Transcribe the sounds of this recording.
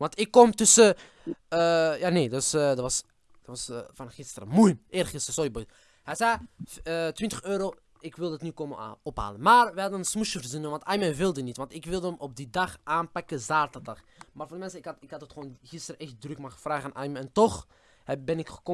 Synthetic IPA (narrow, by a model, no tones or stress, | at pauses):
ʋɑntɪkːɔmtʏsə | jaːneːdøsdɑtʋɑs | d̥ɑtʋɑsvɑnχɪstəɾə̰mujʔeːrχɪstərsoibø | hɛjzɛj | tʋɪntəxøːɾoː | ɪkʋɪlˠdətnykomɔpɦa̰ːlənmaːrʋəɦɑdənənsmuʃəvərzinənʋɑntɑjməʋɪlˠdənitʋɑntɪkʋɪlˠdəəmʔɔp̚didɑχʔaːnpɑkəzaːrtərdɑχ | maːrvoːndəmɛnsəɪkhɑtɪkhɑthətχəoːnɣɪstərɛxt̚drʏkmaχəvraːɣəaːnʔɑjməɛntɔx | bɛnɪkxə̥ko